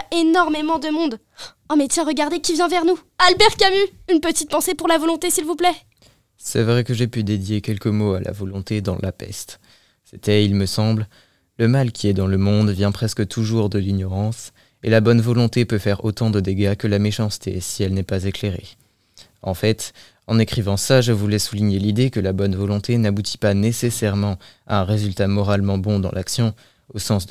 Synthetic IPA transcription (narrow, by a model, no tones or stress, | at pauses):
enɔʁmemɑ̃d̪əmɔ̃d̪ | amet̪sɛ̃ʁəɡaʁd̪ekʲivjɛ̃vɛʁnualbɛʁkamyynpət̪it̪̚pɑ̃sepuʁlavɔlɔ̃t̪esilvuplɛ | sɛvʁɛkəʒepyd̪ed̪jekʲɛlkəmoa̰lʔa̰vɔlɔ̃t̪ed̪ɑ̃lʔapɛ̰st̪ | sɛt̪ɛilməsɑ̃bl | ləmalkʲiɛd̪ɑ̃ləmɔ̃d̪vjɛ̃pχɛskət̪ʰuʒuʁd̪əliɲɔʁɑ̃s | elabɔnvɔlɔ̃t̪epøfɛʁo̰t̪ɑ̃d̪əd̪eɡakəlameʃɑ̃st̪ḛsiɛlnɛpazekleʁḛ | ɑ̰̃fɛt̪ | ɑ̃nekχivɑ̃saʒəvulɛsuliɲelid̪ekəlabɔnvɔlɔ̃t̪ʰenabut̪ʰi̥panesesɛʁmɑ̃a̰ɛ̃ʁezylt̪amɔʁalmɑ̃bɔ̃d̪ɑ̃lʔaksjɔ̃ | osɑ̃s